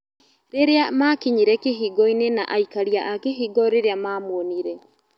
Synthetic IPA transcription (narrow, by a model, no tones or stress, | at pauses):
ɾeɾeamakiɲiɾɛkeɦiːɡɔinena̰ʔaikaɾiaʔakeɦiɡɔɾeɾeamaːmoːniɾɛ